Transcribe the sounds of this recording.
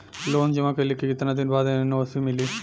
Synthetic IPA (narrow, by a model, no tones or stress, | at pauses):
loːnd͡ʒɐmakelikʰːiɪt̪nad̪inbaːd̪enoːsimɪli